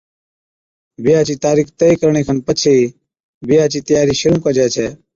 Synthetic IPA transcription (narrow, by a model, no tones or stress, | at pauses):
bɪjaːt͡ʃiːt̪aːɾiːkʰt̪eikəɾɳ̃eːkʰənpət͡ʃʰei | bɪjaːt͡ʃiːt̪əjaːɾiːʃʊɾũːkəd͡ʒaːt͡ʃʰɛː